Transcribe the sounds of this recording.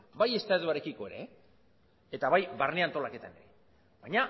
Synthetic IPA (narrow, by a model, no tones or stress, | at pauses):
baje̞st̪aðuaɾe̞kiko̞e̞ɾe̞ | et̪aβajβarneant̪o̞lake̞t̪ane̞̰ɾe̞ | bajɲa